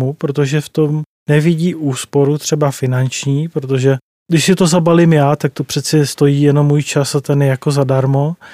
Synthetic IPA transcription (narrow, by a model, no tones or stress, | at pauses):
mupɾo̞t̪o̞ʒɛft̪o̞m | nɛvɪɟiːʔuːspo̞ɾut̪r̥ɛbafɪnant͡ʃɲiːpɾot̪o̞ʒɛ | dɪʃsɪt̪o̞zabalɪmjaːt̪ak̚t̪o̞pr̝̥ɛt͡sɛnɛst̪o̞jiːjɛno̞mːuːjt͡ʃasat̪ɛnjɛjako̞zadaɾmo̞